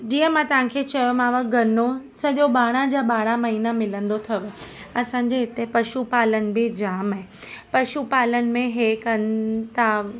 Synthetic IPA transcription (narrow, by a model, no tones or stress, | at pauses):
d͡ʑiːɦə̃mãt̪ɐʋ̤ãːkʰeːt͡ɕɐjomãːʋaɡʱɐnosɐʄoɓaːɽ̃ad͡ʑaːɓaːɽ̃amɐɦiːnamɪlə̃nd̪ot̪ʰɐʋɪ̆ | ɐsãːɲ̆d͡ʑeɦɪt̪epɐʃupaːlənɪ̆bɪd͡ʑaːmaɦɪ̃ | pɐʃupaːlənɪ̆mẽɦeːkɐnɪt̪aː